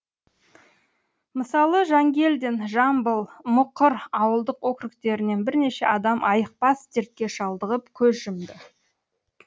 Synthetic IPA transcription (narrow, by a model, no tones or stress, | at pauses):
məsɑlˠəʒɑŋɡʲe̞ld̪enʒɑmbəlˠmʊqːəɾɑwəlˠd̪əqwɵkʲɾɪkt̪e̞ɾɪne̞nbɪɾne̞ʃe̞̰ʔɑd̪ɑmʔɑjəq̚pɑst̪eɾt̪̚kʲe̞ʃɑlˠd̪əʁəpkʲʰɵzʒɪmd̪ɪ